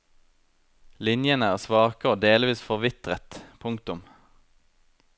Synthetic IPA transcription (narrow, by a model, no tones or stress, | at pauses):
lɪnjənəæːʁsʋɑːkəoːd̪eːlʋiːsfɔʁʋɪt̪ʁət̪pʰʊŋkt̪ʊm